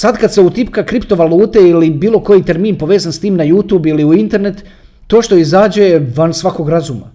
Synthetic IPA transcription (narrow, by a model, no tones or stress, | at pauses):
sad̪kad̪se̞ut̪ip̚kakɾipt̪o̞ʋaluːt̪e̞ilibiːlo̞ko̞jit̪e̞ɾmiːnpo̞ʋe̞ːzanst̪iːmnajuːt̪juːbiliuint̪e̞ɾne̞t̪ː | o̞ːʃt̪o̞izaːd͡ʑeʋansʋako̞ɡɾazuma̰